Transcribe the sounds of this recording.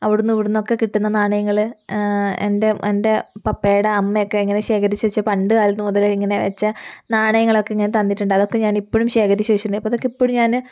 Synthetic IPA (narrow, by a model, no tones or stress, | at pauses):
ɐʋiɽunːuʋiɽunːo̞kːe̞kiʈːunːɐnaːɳɐjɐŋːɐɭɨ | ende̞ende̞pɐpːejɽɐɐmːɐjokːe̞iŋːɐne̞ɕe̞ːkʰɐɾit͡ɕːuʋɐit͡ɕːɐpɐɳɖɨaːliulnːɨmuðɐliŋːɐne̞ʋḛt͡ɕːɐnaːɳɐjɐŋːɐɭo̞kːeiŋːɐnet̪ɐnːiʈːuɳɖɨɐðo̞kːe̞ɲaːnipːoːɻumɕe̞ːkʰɐɾit͡ɕːuʋɐit͡ɕːunːɨɐpːɐðokːeipːoɻumɲaːn